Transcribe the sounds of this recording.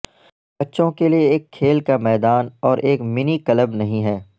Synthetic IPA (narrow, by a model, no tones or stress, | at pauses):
bɐtːʃõkelieeːkʰːeːlkamɛːd̪aːnɔːɾʔeːkmɪnikɐləbnɐɦĩɦɛː